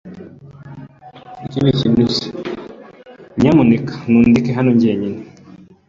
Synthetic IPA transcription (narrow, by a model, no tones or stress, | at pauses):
ikiβicimusi̥ | ɲamunikḁnundikeɦanoɲɟeɲini